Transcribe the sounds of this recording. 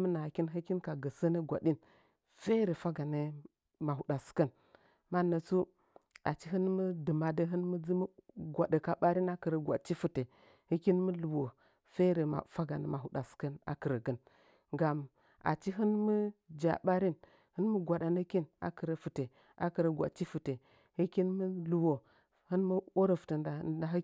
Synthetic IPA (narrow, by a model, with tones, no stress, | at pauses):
mə˦na˨ki˦nɦə˦ki˦nka˨ɡə˨sə˦nə˦ɡʷa̰˨ɗi˦n | fe˦ɾe˨fa˦ɡa˨nə˦ | ma˨hu˨ɗa˨skə˦n | ma˦nə˨t͡su˦ | a̰˨t͡ʃi˦ɦə˦nmə˦dɨ˨ma˨də˦ɦɨ˦nmə˦d͡zi˦m˦ɡʷa˨ɗə˨ka˦ɓa˦ɾi˦na˦kə˨ɾə˨ɡʷa̰˨t͡ʃi˦fu˨te˨ | hə˦ki˦nmə˦lu˨wo˨ | fe˦ɾə˨ma̰˨fa˦ɡa˨nə˨ma˨ɦu˨ɗa˨skə˦na̰˨kə˨ɾə˨ɡə˦˨n | ɡa˨m | a̰˨t͡ʃi˦ɦɨ˦nmə˦d͡ʒa̰˨ɓa˦ɾi˦n | hɨ˦nmu˦ɡʷa˨ɗa˨nə˦ki˦na̰˨kɨ˨ɾə˨fɨ˨te˨ | a˨kɨ˨ɾə˨ɡʷa̰˨t͡ʃi˦fɨ˨te˨ | hɨ˦ki˦nmə˦lu˨wo˨ | hɨ˦nmu˦o˦ɾə˨fu̥˨tə˨nda˨˦˨da˨ɦ